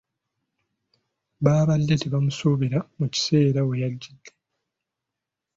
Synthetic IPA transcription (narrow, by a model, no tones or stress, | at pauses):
βaːβalːeteβamusuβiɾamuci̥se̞ːɾawejaɟːidːe